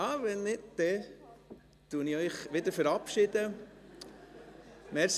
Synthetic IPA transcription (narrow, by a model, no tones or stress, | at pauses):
ɑːʋɛnnɪdd̪̥ɛ | t̪uəniœʏχʋɪd̪əɾfɛɾɑpʃɪd̥ə | mɛɾs